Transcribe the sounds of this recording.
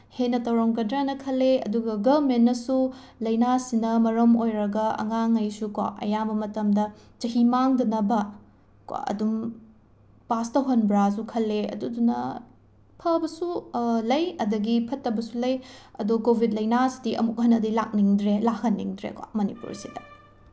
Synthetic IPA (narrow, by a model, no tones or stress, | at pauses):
henːɐtɐwɾaŋkɐdɾeanɐkʰɐlːeɐ̰duɡɐɡɐbmenːɐsu | lɐjnasinɐmɐɾɐmojɾɐɡɐɐ̰ŋaŋːɐjsukwa̰ʔɐ̰jabɐmɐtɐmdɐ | d͡ʒɐɦimaŋdɐnɐbɐ | kwa̰ɐ̰dum | pastɐwɦɐnbɾas̬ukʰɐlːeɐ̰dudunɐ̰ | pʰɐbɐsulɐjɐdɐɡipʰɐtːɐbɐsulɐjɐ̰dukobʱid̚lɐjnasi̥diʔɐ̰muk̚ɦɐnːɐdila̰k̚niŋdɾelakʰɐnːḭŋdɾḛkwa̰mɐnḭpṵɾsidɐ